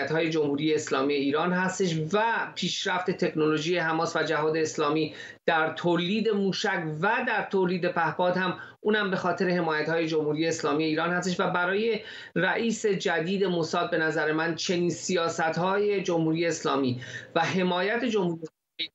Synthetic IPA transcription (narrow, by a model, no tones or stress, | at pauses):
t̪hɒːje̞d͡ʒo̞mhuːɾiːje̞ːslɒ̰ːmije̞iːɾɒːnɦæst̪e̞ʃvæpʰiːʃɾæft̪e̞t̪ʰe̞kʰno̞lo̞ʒiːje̞ɦæmɒːsvæd͡ʒæɦɒːd̪e̞ːslɒːmiː | d̪̥æɾt̪ʰoliːd̪e̞muːʃæcvæd̪æɾt̪ʰoliːd̪e̞pʰæhbɒːd̪hæm | ʔuːnhæmbe̞xɒːt̪ʰe̞ɾe̞he̞mɒːjæt̪hɒːje̞d͡ʒo̞mhuːɾije̞ːslɒːmije̞iːɾɒːnhæst̪eʃvæbæɾɒːje̞ | ræʔiːse̞d͡ʒæd̪iːd̪e̞mosɒːd̪̚be̞næzæɾe̞mænt͡ʃʰe̞niːnsijɒːsæt̪hɒːjed͡ʒo̞mhuːɾije̞ːslɒːmiːvæɦe̞mɒːjæt̪ʰe̞d͡ʒo̞mhuːɾi | i